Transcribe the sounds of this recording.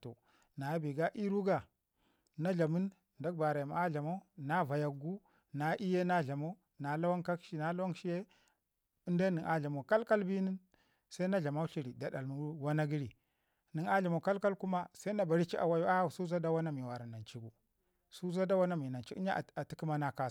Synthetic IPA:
to̰˨ | na˨˦bi˨ɡa˦ʔi˦ɾu˦ɡa˨ | na˦ɮa˨mu˦n | da˦k̚ba˨ɾa˨ma˨a˦ɮa˨mo˦na˦va˨ja˨ɡu˦ | na˨˦ʔi˦je˦na˦ɮa˨mo˦ | na˨la˦wa˦nka˦kʃi˦na˨la˦wa˦nʃi˦je˦ | i˦nda˦ni˨ŋʔa˨ɮa˨mo˨ka˦lka˦lbi˦ni˦n | sa˦i˦na˦ɮa˨ma˦ɬi˦ɾi˨da˨da˨lnu˦wa˦na˦ɡi˦ɾi˨ | ni˨ŋa˦ɮa˨mo˨ka˦lka˦lku˦ma˦sa˦na˨ba˨ɾi˦t͡ʃi˦ʔa̰˨wa˦ju˦a˦u˨su˦za˦da˦wa˦na˦mi˨wa˨ɾa˨na˨nt͡ʃi˦ɡu˨ | su˦za˦da˦wa˦na˦mi˨na˨t͡ʃi˦ɲa˦˨a˨ti˦ki˦ma˦na˦ka˦˨

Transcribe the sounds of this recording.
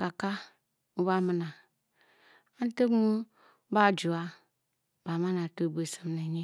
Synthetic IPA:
ka˨ka˦ | u˦ba˦mə˨na˨ | a˦n˦te˦mu˦ | ba˦˨d͡ʒu˨a˦ | ba˨ma˦na˨to˦˨be˨sə˨mne˨ɲi˦

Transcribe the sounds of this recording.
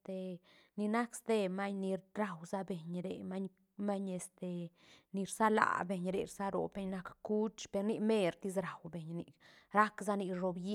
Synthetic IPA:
t̪e˧˨ | ni˧na˦kst̪e˦ma˦ɲni˧ɾɾa˨wza˦be˨ɲɾe˨ma˦ɲ | ma˦ɲe˨st̪e˨ | ni˧ɾsa˦la̰˨be˨ɲɾḛ˨ɾsa˦ɾo̰˨be˦ɲna˦kku˦t͡ʃpe˧ɾni˧me˦ɾt̪i˦s̬ɾa˨wbe˨ɲni˨ɾa˦kza˦ni˧ʐo˧bji˦

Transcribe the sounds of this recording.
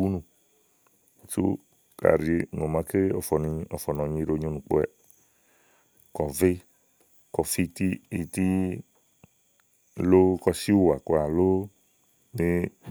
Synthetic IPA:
u˦nũ˨ | t͡ʃṵ˦ | ka̰˨ɾi˨ŋo˨mã˨˦ke˦ɔ˨fɔ˨n˨˦ɔ˨fɔ˨nɔ̃˨ɲĩ˦ɾo˨˦ɲo˦nũ˨k͡po̰˦ɛ˨ | kɔ˨vɪ˦ | kɔ˨fi˦t̪i˦i˨t̪i˦ | lo˦kɔ˧si˦wo˨a˨kɔ˦a˨lo˦ | ne˦

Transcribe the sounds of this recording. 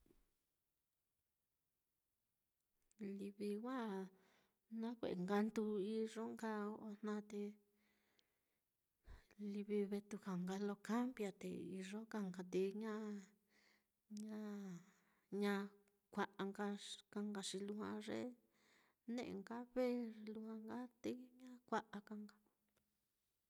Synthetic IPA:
li˧βi˧wʷã˦ | nã˦kʷḛ˨ʔe˨ŋɡa˧nt̪u˧i˧ʐo˦ŋɡa˦o˧n̥nã˧t̪e˧ | li˧βi˧βe˧t̪u˧ha˨ŋɡa˧lo˧ka˦mbja˧t̪ḛ˨i˧ʐo˦ka˧ŋɡa˧t̪e˧˨ɲã˦ | ɲã˦ | ɲã˧ | kʷa˧ʔa˧ŋɡa˧ka˧ŋɡa˧ʂi˧lu˧hã̰˧ʐḛ˦ | nḛ̃˦ʔŋɡa˦βe˦˧lu˧hã˧ŋɡa˦t̪e˧ɲã˦kʷa˧ʔa˧ka˧ŋɡa˧

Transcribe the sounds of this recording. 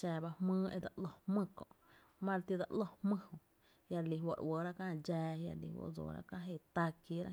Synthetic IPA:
ʃɛː˧˨ba˧hmɨ̃ː˦ʔe˧d̪a˧˨ʔlo˧hmɨ̃˦˧kõ̰˨ʔ | mã˦ɾt̪i˧d̪a˧ʔlo˧hmɨ̃˦hõ˧ | ja˧ɾli˧˨wo˧˨ɾwəː˨ɾa˦kã˦˧d͡ʒɛː˧ja̰˧ɾlḭ˧˨wo̰˧ʔd͡zo̰ː˨ɾa̰˦kã˦˧ɦe˧˨t̪a˧ki˧˦ɾa̰˦

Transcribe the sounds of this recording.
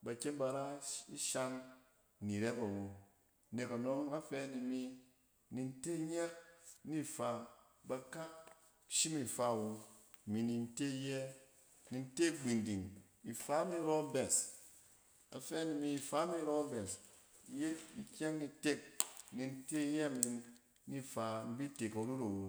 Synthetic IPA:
ba˨kʲe˦nba˧ɾa˦i˦ʃa˧n | ni˨ɾe˦ba˨wo˨˦ | ne˨ka˨no˦ŋa˦fɛː˧˦ni˨mi˧ | ni˧n˦te˦ɲe˦k̚ni˦˨fa˨ | ba˧ka˦ | ʃi˦mi˨fa˧˦˨wo˧˨mi˨ni˧n˦te˦i˦˧jɛ˦ | ni˨n̩˦te˦ɡ͡bi˨ndi˨ŋ | i˨fa˨˦mi˦ɾo˦bɛ˨s | a̰˨fɛ˦ni˨mi˧i˨fa˨˦mi˦ɾɔ˦bɛ˨s | je˦i˨kʲa˦ŋi˧te˦k̚ni˨n̩˦te˦jɛ˦˨mi˨ | ni˦fa˨m̩˦bi˦te˨ko˨ɾu˦ɾa˨wo˨

